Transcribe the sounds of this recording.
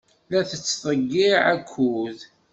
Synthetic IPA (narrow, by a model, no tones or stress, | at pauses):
læθət͡sːtˤəɡːiʕækʷʰːuð